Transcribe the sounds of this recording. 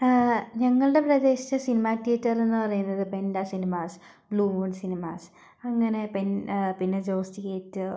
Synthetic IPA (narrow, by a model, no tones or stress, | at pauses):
ɲɐŋːɐɭɨɖe̞prɐde̞ːɕiɐsinimaːtːiɐtːɐrenːɨpɐrɐjunːɐðɨpendasinimaːs | bluːmoːɖsinimaːs | ɐŋːɐne̞penpinːed͡ʑoːstikʲeːtːɨ